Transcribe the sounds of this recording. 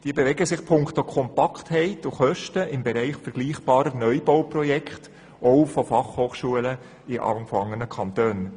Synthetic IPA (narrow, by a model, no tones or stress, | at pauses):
d̥iəbevɛɡəsɪχpʰʊŋkt̪okʰɔmpɑkʰthɛɪtuχœʃtəʔɪmbɛɾɛɪχfɛɾɡ̥liːχb̥ɑːɾənœʏbɔwprɔjɛkχt | ʔɔʊfɔfɑχhoːχʃuələ | ɪʔɑ̰ŋfɑŋənəkʰɑntøːn